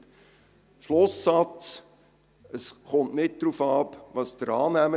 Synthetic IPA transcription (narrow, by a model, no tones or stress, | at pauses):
ʃlʊsːɑt͡s | əsχʊntnɪt̚d̪̥ɾufɑːpʋɑsd̥əɾɑːnæmə